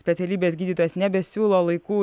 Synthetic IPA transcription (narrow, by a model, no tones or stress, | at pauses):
sʲpʲɛt̪sʲɛlʲiːbʲesɡʲiːd̪ʲit̪oːjɛsnʲɛbʲɛsʲuːlˠoːlˠɐɪkuː